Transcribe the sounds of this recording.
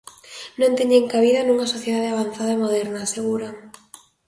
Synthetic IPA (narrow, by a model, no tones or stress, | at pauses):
nõnt̪eɲeŋkaβiðɐnuŋɐsoθjeðaðeaβan̟θaðɐemoð̞ɛɾnaseɣuɾa